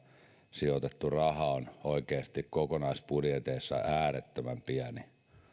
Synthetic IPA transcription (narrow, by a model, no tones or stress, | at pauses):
siot̪et̪ːurɑhɑonoikeːst̪ikkokonɑispuljet̪eisːɑ̰ʔæːret̪ːømæmpiæni